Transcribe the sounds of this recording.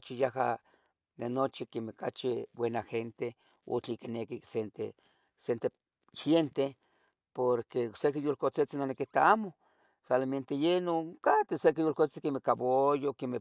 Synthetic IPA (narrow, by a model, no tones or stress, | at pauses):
t͡ʃijahɦa̰ | nenot͡ʃikemekat͡ʃibwenaxent̪e | o̰t͡ɬikinekisent̪ḛ | sent̪e | xjent̪e | poɾkeoksekijolkot͡set͡sinonekit̪aamo | saliment̪ejenoŋkat̪esekijolkot͡si̥kemekaβojokeme